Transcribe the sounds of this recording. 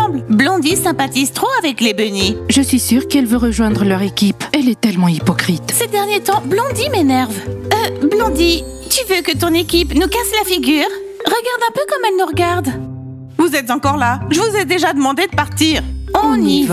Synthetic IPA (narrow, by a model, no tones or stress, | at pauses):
ɑ̃blblɔ̃d̪isɛ̃pat̪izt̪χoavɛklebəniʒəsɥisyʁkɛlvøʁəʒwɛ̃d̪ʁəlœʁekʲipɛlɛt̪ɛlmɑ̃ipɔkχit̪sed̪ɛʁnjet̪ɑ̃blɔ̃d̪imenɛʁvəblɔ̃d̪i | t̪yvøkət̪ɔ̃nekʲipnukaslafiɡʲyːʁ | ʁəɡaʁd̪ɛ̃pøkɔmɛlnuʁəɡaʁd̪ | vuzɛt̪zɑ̃kɔʁlaʒəvuzɛd̪eʒad̪əmɑ̃d̪ed̪əpaʁt̪iːʁɔ̃niv